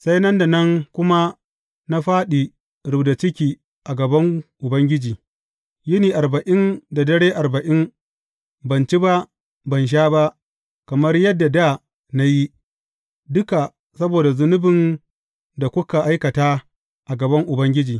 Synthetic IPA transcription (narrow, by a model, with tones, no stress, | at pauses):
sa˦jnɐ˦nda˨nɐ˦ŋkʷʊ˦ma˦ | na˦ɸaː˦ɗiː˨ | ɽʊ˨bda˨t͡ʃɪ˦kʲiː˨ | ʔa˨ɡɐ˨bɐ˦ŋʔʊ˨bɐ˦ŋɡʲɪ˦d͡ʒiː˨ | jɪ˦niː˨ʔa˨ɾbɐ˨ʔɪ˦nda˨dɐ˦ɽeː˦ʔa˨rbɐ˨ʔɪ˦n | bɐ˨nt͡ʃi˦ba˦ | bɐ˨nʃ̬aː˦ba˦ʔ | kɐ˨mɐ˦rjɐ˦dːa˨da˦˨ | na˦ji˦ | dʊ˦ka˨ | sɐ˦boː˨da˨zʊ˦nʊ˦bɪ˨n | da˨kʷʊ˦ka˨ʔa˦jkɐ˨taː˦ | ʔa˨ɡɐ˨bɐ˦ŋʔʊ˨bɐ˦ŋɡʲɪ˦d͡ʒiː˨